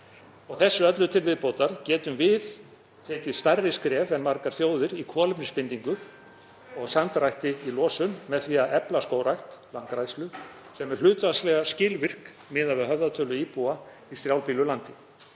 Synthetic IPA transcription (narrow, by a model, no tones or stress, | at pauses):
ɔɣθɛsːʏœt̪lʏt̪ʰɪlvɪðpoːwt̪aɾcɛːt̪ʏmvɪð | t̪ʰɛːcɪðst̪arːɪskɾɛːfɛnmaɾkaɾ̥θjoːwðɪɾikʰɔːlɪpnɪspɪnt̪iŋkʏ | ɔɣsamt̪ɾajht̪ɪilɔːsʏnmɛðθiːaɛplaskoːwɾajht̪laŋkɾajslʏ | sɛmɛɾ̥l̥ʏːt̪vaslɛɣascɪːlvɪr̥k | mɪːðavɪðɦœvðat̪ʰœːlʏiːpua | ist̪ɾjaːwlpiːlʏlant̪ɪ